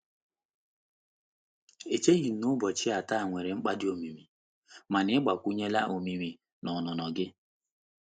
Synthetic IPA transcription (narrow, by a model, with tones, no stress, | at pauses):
e˨t͡ʃe˦ɣi˨n̩˨nʊ˦bɔ˨t͡ʃɪ˦a˨ta˦˨ŋʷe˨ɾe˨ŋ͡m̩˦k͡pa˦dɪ˦o˨mi˨mi˨ | ma˨nɪ˦ɪ˦ɡ͡ba˨kʷu˦ɲe˦la˦ʔo˨mi˨mi˨ | nɔ˨nɔ˨nɔ˨ɡɪ˦